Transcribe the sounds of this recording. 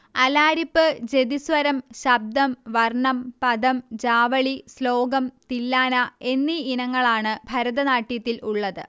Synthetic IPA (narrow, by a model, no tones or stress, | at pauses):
ɐlaːɾipːɨd͡ʑe̞d̪isʋɐɾɐmɕɐb̚d̪ɐmʋɐrɳɐmpɐd̪ɐmd͡ʑaːʋɐɭislo̞ːɡɐmt̪ilːaːnɐe̞nːiinɐŋːɐɭaːɳɨbʱɐɾɐðɐnaːʈːijɐt̪ːiluɭːɐðɨ